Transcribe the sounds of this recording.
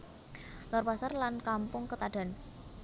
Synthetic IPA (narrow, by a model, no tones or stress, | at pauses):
lɔrpasarlankampʊŋkət̪aɖ̥a̤n